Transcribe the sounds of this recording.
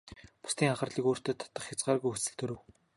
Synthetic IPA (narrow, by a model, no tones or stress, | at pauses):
pʊ̥st̪iːŋaχə̆rɮiːkoːr̥t̪eːt̪ʰḁt̪ə̆χxʲat͡sɢaːrɣujxɵsɘ̆ɮt̪ʰɵɾɵ̆w